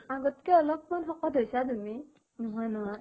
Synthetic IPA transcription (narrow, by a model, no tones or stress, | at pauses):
aɡɔtkɛɔlɔk̚manxɔkɔdʱɦojsatumi | nuɦanɔ